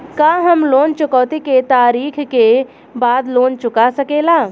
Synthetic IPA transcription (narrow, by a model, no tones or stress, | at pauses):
kaɦəmloːnt͡ʃʊkɔːt̪iket̪aːɾiːkʰke | baːd̪loːnt͡ʃʊkasəkeːlaː